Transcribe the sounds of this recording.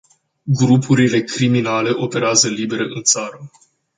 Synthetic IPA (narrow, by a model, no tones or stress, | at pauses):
ɡɾupʰuɾile̞kɾiminale̞ʔo̞pe̞ɾeazəlibe̞ɾeʔɨnt̪saɾə